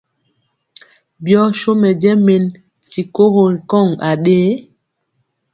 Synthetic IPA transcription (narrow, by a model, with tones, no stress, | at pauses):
bjɔ˦ʃo˦mɛ˨d͡ʒɛ˦me˨n | t͡ʃi˨ko˦ho˨lkɔ˦˨ŋa˨ɗeː˦